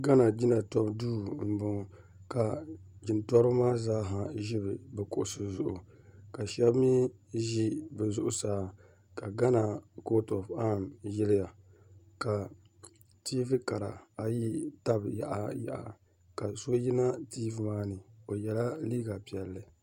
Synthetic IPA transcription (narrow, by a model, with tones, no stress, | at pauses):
ɡa˦na˨d͡ʒi˦na˨tɔ˦bduː˦m̩˨bʊ˨ŋ˨ | ka˨d͡ʒɪ˨ntɔ˦ɾɨ˦maː˦zaː˦ɦa˨ʒɪ˦bɨ˨bɛ˨kʊ˨ʔʊ˨sɨ˨zʊ˨ʔʊ˨ | ka˨ʃɛ˦bmi˦ʒi˦bɛ˨zʊ˦ʔʊ˨saː˦ | ka˨ɡa˦na˨ko˦tɔ˨fa˦˨mjɪ˦lɪ˦ja˨ | ka˨ | tiː˦vɨ˦ka˨ɾa̰˨a˨ji˦ta˦bja̰˨ʔa˨ja̰˨ʔa̰˨ | ka˨so˦ji˦na˦tiː˦vmaː˦nɨ˨o˨jɛ˨la˦liː˦ɡa˨pi˨ɛ˨lːɨ˨